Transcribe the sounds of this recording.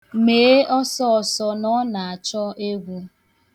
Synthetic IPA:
meː˨˦ɔ˦sɔ˦ɔ˨sɔ˦nɔ˦na˨a˨t͡ʃɔ˦e˦ɡʷu˦

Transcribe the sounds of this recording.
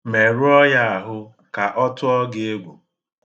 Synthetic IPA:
me˨ɾu˦ɔ˦ja˦a˨ɦʊ˦ | ka˨ʔɔ˦tʊ˦ɔ˦ɡe˦e˦ɡ͡bʷu˨

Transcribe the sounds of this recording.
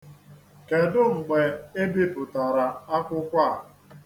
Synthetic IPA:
ke˨dʊ˦ŋ͡m̩˨ɡ͡be˨e˦bi˦pʊ˨ta˨ɾa˨a˦kʷʊ˦kʷa˦˨

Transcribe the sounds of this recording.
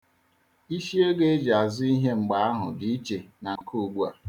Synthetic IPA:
i˦ʃi˦e˦ɡe˦e˦d͡ʒa˨zɪ˦i˦ɦe˦ŋ͡m̩˨ɡ͡ba˨˦a˦ɦʊ̰˨di˨i˦t͡ʃe˨na˨ŋ̩˨ku˦˨ɡ͡bu˦a̰˨

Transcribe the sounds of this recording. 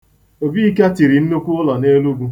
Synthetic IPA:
o˨bi˦i˦ka˦ti˨ɾi˨n̩˦nu˦kʷʊ˦ʊ˦lɔ˨ne˦lu˦ɡu˦

